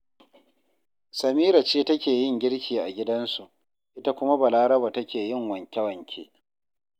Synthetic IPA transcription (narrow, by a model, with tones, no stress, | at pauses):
sɐ˨miː˦ɾa˨t͡ʃeː˦tɐ˦kʲeː˨jɪ˦˨ŋɡʲɪ˦ɽkʲiː˨ʔa˨ɡʲɪ˦dɐ˦nsu˨ʔ | ʔɪ˦ta˦kʷʊ˦ma˦ba˨laː˦ɾɐ˦baː˨tɐ˦kʲeː˨jɪ˦˨ŋwɐ˨ŋkʲɐ˦wɐ˨ŋkʲʰḛː˦